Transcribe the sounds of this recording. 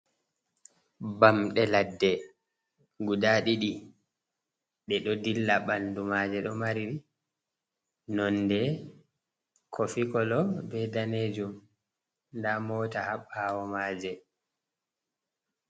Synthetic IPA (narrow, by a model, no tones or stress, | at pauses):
bamɗɛladːɛ | ɡudaɗiɗi | ɗɛɗɔdilːaɓandumad͡ʒɛɗɔmaɾiɾi | nɔndɛ | kʰofikɔlɔbɛdaned͡ʒum | ndamɔːtahaɓːawɔmaːd͡ʒɛ